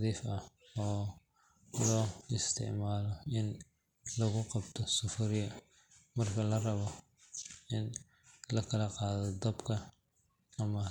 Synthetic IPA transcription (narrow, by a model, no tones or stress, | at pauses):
ðiːfɐ | ɔː | lɔːɪst̪ʰɪ̰ʕmaːlɔʔɪn | lɐɣʊqɑbt̪ʰɔsʊfʊɾɪjɐ | mɐrkʰɐlɐrɐβɔ | ʔɪn | lɐkʰɐlɐqɑːðɔd̪ɐbkʰɐː | mɐ